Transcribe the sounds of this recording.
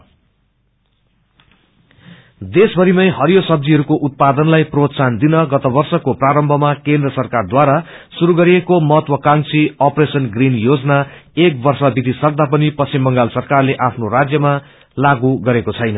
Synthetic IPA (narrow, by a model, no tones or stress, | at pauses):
d̪esbʱʌɾimʌjɦʌɾijosʌb̚d̪iɦʌɾukoʔut̪̚pad̪ʌnlajprot̪sand̪inʌɡʌt̪ʌbʌrsʌkopraɾʌmbʱʌmakẽnd̪rʌsʌrkard̪waɾa | suɾuɡʌɾiekomʌɦʌt̪wʌkaŋt͡siʌpresʌnɡrinjod͡zʌnaek̚bʌrsʌbid̪ʱisʌk̚d̪ap̬ʌnipʌsʰimːʌŋɡalsʌrkarleʔapʰnorad͡zjʌma | laɡuɡʌɾekot͡sʰʌjnʌ